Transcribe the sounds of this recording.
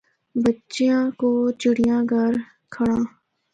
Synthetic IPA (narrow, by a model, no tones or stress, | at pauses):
bətːʃijãkoːt͡ʃɪɽɪjãːɡəɾ | kʰəɽãː